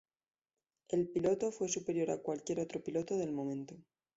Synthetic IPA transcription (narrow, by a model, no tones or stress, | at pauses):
e̞lpilo̞t̪o̞fwe̞supe̞ɾjo̞ɾa̰kwalkje̞ɾot̪ɾo̞pilo̞t̪oðe̞lmomẽnt̪o